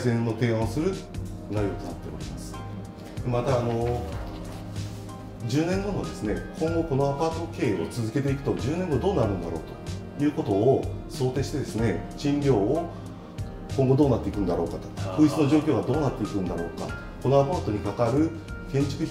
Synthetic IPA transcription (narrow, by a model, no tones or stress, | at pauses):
sẽnːo̞t̪e̞ːãõsɨɾɯ̟ | naijot̪od̪at̪ːea̰ɾʲimasɨ̥ | mat̪aːno̞ | d͡ʑɨːnẽŋɡõnoad̪esɨne̞kʰõ̞ŋɡo̞ko̞no̞apaːt̪o̞ke̞ːot͡sɨzɨke̞t̪̬e̞ikɯ̟̥t̪o̞d͡ʑɨːnẽ̞ŋɡod̪o̞ːnaɾɯ̟̃nd̪aɾo̞̰ːt̪o̞̥ | jɯ̟ːko̞t̪o̞ːso̞ːt̪e̞ɕi̥t̪e̞d̪esɨne̞ɕĩnɾʲo̞ː | kõŋɡo̞d̪oːnat̪ːeikɯ̟̃nd̪aɾo̞ːkat̪o̥kakɯ̟ːit͡sɨno̞ʑo̞ːkʲo̞ːɡad̪o̞ːnat̪ːe̞ikɯ̟̃nd̪aɾo̞ːka̰ | ko̞no̞apaːt̪o̞ɲ̟ikakaɾɯ̟ | kẽ̞ɲ̟t͡ɕi̥kɯ̟